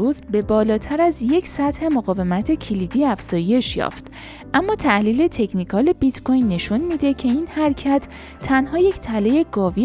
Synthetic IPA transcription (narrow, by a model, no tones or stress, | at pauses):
uːzbe̞bɒːlɒːt̪ʰæɾæzje̞cʰsæt̪he̞moɣɒːve̞mæt̪ʰe̞cʰilid̪iːæfz̥ɒːje̞ʃjɒ̰ːft̪ | ʔæmːɒːt̪ʰæhliːle̞t̪ʰe̞cʰnikʰɒːlebit̪kʰo̞jnːe̞ʃunmiːd̪e̞cʰe̞iːnhæɾcʰæt̪ʰː | ænɦɒːje̞ct̪ʰælejeɡɒːvi